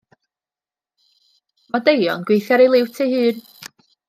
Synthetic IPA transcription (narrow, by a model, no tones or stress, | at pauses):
madejɔ̰nɡwejθjaɾejlˠɪwtʰejhɨːn